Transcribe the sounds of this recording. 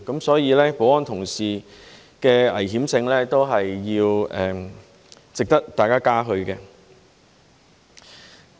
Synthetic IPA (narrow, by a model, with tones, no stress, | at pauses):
kɐ˨˥msɔː˨˥jiː˨˧lɛː˥po˨˥wɔː˥nt̪ʰʊ˨˩ŋsiː˨˩ | kɛː˧ɐ̰˨˩jɦiː˨˥mt͡sɪ˧ŋlɛː˥t̪o˥wɦɐ˨jːiː˧wɛː˨ | t͡sɪ˨k̚t̪ɐ˥k̚t̪aː˨jkaː˥kaː˥ɦɵ˧ɥkɛː˧